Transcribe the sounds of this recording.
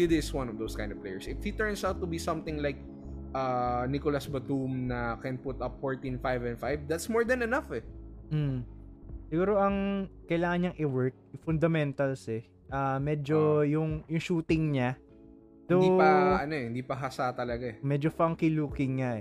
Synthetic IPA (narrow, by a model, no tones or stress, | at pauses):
ɪd̪ɪswɐ̃nɔvd̪oːskãj̪̃d̪ɔv̥plḛjɛɹsɪfhit̪ɛɹnsawt̪ːubisɐ̃mt̪ɪ̃ŋlajk̚ | ʔanikolasbɐt̪umnɐkɛ̃npʊt̪ɐpfoɹt̪ĩnfajvɛ̃nfajvd̪at̪smɔɹd̪ɛ̃nɛnɐfɛm̩ | sɪɡuːɾo̞ʔɐŋkɐjlaːŋɐnɲɐŋʔɪwɛɹk̪̚fʊnd̪ɐmɛnt̪ɐlsɛ | ʔɐmɛd͡ʒojʊŋjʊŋʃuːt̪ɪŋɲa | d̪̥owd̪ipɐʔɐnoɛhɪnd̪iːpɐɦasat̪ɐlɐɡaɛmɛːd͡ʒofɐŋkiluːkɪŋːaʔɛ